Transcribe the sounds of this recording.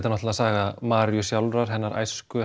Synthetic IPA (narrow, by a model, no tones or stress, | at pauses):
t̪anɔht̪lasaːɣamaːɾjʏsjawlɾaɾ̥ɦɛnːaɾʔa̰jskʏ